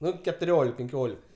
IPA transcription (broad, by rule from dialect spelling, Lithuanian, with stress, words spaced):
ˈnʊ kʲɛtʊˈrʲoːlʲɪk pʲɛŋʲˈkʲoːlʲɪk